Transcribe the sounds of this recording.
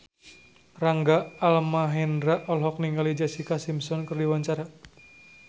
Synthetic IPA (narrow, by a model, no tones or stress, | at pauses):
raŋɡaalmaɦɛndɾaʔɔlɦɔk̚niŋɡalid͡ʒasikasimsɔnkərdiwaɲt͡ʃaɾa